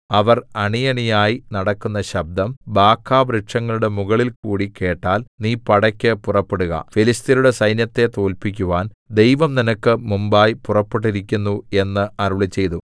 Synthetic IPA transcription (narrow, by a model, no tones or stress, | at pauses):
ɐʋɐrɐɳijɐɳijaːjinɐɽɐkːunːɐɕɐb̚d̪ɐmbaːkʰːaːbɾiʈʂɐŋːɐɭuɽe̞muɣɐɭilkuːɽike̞ːʈːaːlniːpɐɽɐkʲːɨpurɐpːeɽuɣɐ̰filist̪iluɽe̞sɐjnjɐt̪ːe̞t̪o̞ːlpik̬ʲːuʋaːnd̪e̞jʋɐmninɐkːɨmumbaːjpurɐpːeʈ̬ːiɾikʲːunːue̞nːɨɐɾuɭit͡ɕːe̞jt̪u